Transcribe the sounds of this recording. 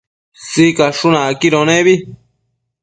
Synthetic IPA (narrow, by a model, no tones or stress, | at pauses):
sikaʂunãkiɾõnẽβi